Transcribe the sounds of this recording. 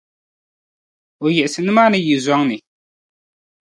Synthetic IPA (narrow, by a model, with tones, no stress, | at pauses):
o˨jɛ˨ʔsɨ˨nɨ˦ma˦nɨ˦ji˨zɔ˦ŋnɨ˨